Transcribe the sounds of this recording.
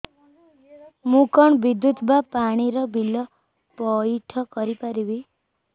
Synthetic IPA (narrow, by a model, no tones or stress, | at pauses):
mukɔɳ̃bid̪jut̪bapaɽ̃iɾɔbʱilɔ | pɔiʈʰɔkɔɾipaɾibi